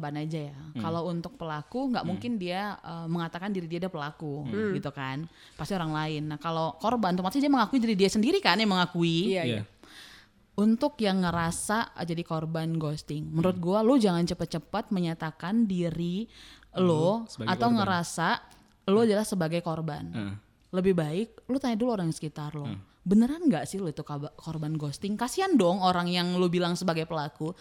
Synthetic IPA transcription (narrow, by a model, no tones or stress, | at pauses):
banad͡ʒajakalawunt̪ʊk̚pəlakuŋɡaʔmuŋkɪndiaəməŋat̪akandiɾidiadapəlakuɡit̪ukan | past̪ioɾaŋlaɪnːahkalokorbant̪umat̪idiaməŋakuid͡ʒaɾidiasəndiɾikanjaŋməŋakui | unt̪ʊkjaŋːəɾasad͡ʒadikorbanɡost̪ɪŋmənɾʊt̪̚ɡualod͡ʒaŋant͡ʃəpat̪̚t͡ʃəpat̪̚məɲat̪akandiɾiloat̪awŋəɾasa | lʊadalahsəbaɡajkorba̰n | ləbɪhbaɪk̚lʊt̪aɲaduloɾaŋsə̥kit̪arlo | bənəɾanŋɡaʔsɪhlʊit̪ukkorbanɡost̪ɪŋkasiandɔŋoɾaŋjaŋlubilaŋsəbaɡajpəlaku